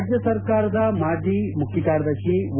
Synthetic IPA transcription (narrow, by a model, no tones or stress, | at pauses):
d͡ʒjɐsɐɾkaːɾɐd̪ɐmaːɖimukʰjikaːɾɐd̪ɐʃiʋ